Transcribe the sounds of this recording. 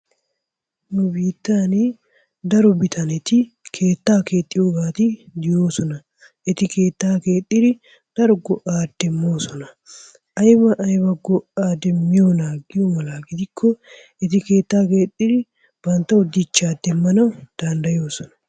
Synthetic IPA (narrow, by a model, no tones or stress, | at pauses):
nʊbiːt̪ːaːni | d̪ɐɾɔbɪt̪ʰɐnɛt̪ɪkʰe̞ːt̪ːaːkeːt̪ʼːɪjoːɡaːt̪ɪd̪ɪjo̞ːsɔnɐ | ʔɛt̪ɪkeːt̪ːaːke̞ːt̪ʼːɪɾɪ | d̪̥ɐɾɔɡɔʔaːd̪ːɛmːo̞ːsɔnɐ | ʔɐjbɐʔɐjbɐɡɔʔaːd̪ɛmːɪjonaːɡːɪjomɐlaːɡɪd̪ɪkʰːɔ | ɛt̪ɪke̞ːt̪ːaːke̞ːt̪ʼːɪdɪ | bɐnt̪ːɐɔd̪ɪt͡ʃːaːd̪ːɛmːɐnɐwd̪̥ɐnd̪ɐjo̞ːsɔnɐ̥